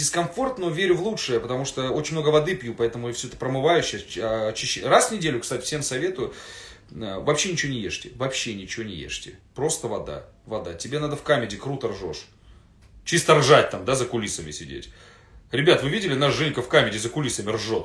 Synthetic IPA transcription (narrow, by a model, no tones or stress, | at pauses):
dʲɪskɐnfo̞rt̪novʲeɾʲʊvlˠutʂɨjəpət̪ɐmuʂt̪əo̞t͡ɕɪnʲmnoɡəvɐd̪ɨpʲjupɐɛt̪əmʊjfsʲɵɛt̪ə̥pɾəmɨvajʉɕːɐɐt͡ɕːɪɕːerasvnʲɪdʲelʲʊkst̪atʲɪ̥fsʲemsɐvʲe̞t̪ʊjʊ | əvɐpɕːenʲɪt͡ɕɪvonʲɪjeʂtʲɪvɐpɕːenʲɪt͡ɕɪvonʲɪjḛʂtʲɪpɾo̞st̪əvɐd̪a̰ | vɐd̪atʲɪbʲe̞nad̪əfkamʲɪdʲɪkɾut̪ərʐo̞̰ʂ | t͡ɕist̪ərʐat̚ʲt̪amd̪azəkʊlʲisəmʲɪsʲɪdʲḛtʲ | ɾʲɪbʲat̪vɨvʲidʲɪlʲɪnaʐɨnʲkəfkamʲɪdʲɪzəkʊlʲisəmʲɪrʐot̪